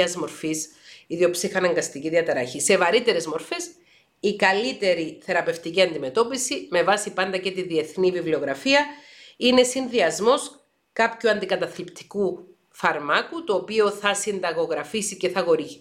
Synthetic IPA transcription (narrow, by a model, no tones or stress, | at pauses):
ɐzmo̞ɾfis | iðiopsixɐnɐŋɡɐst̪iciðiɐt̪ɐɾɐçise̞vɐɾit̪e̞ɾe̞zmo̞ɾfe̞s | ikɐlit̪e̞ɾiθe̞ɾɐpe̞ft̪iciɐnd̪ime̞t̪o̞pisime̞vɐsipɐnd̪ɐce̞t̪iðie̞θnivivlio̞ɣɾɐfiɐ | ine̞sinðiɐzmo̞s | kɐpçuɐnd̪ikɐt̪ɐθlipt̪i̥ku | fɐɾmɐkut̪oːpio̞θɐsind̪ɐɣo̞ɣɾɐfisice̞θɐɣo̞ɾii